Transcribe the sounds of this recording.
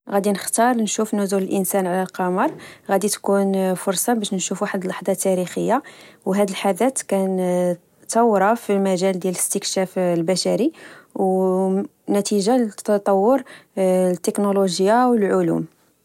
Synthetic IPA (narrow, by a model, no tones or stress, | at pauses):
ɣæd̪inəxt̪ɑɾˤnʃufnʊzuləlʔənsænʕlælqɑməɾˤɣæd̪it̪kunfʊɾˤsˤɑbæʃnʃufuħad̪əlʔħd̪ˤɑt̪ːæɾixəjːawɦæd̪əlħad̪æt̪kæn | t̪ɑwɾˤɑfilmæʒæld̪jæləst̪əkʃæflbæʃæɾiw | næt̪iʒalt̪t̪ˤɑwːəɾ | t̪ːəknoloʒjːawəlʕʊlṵm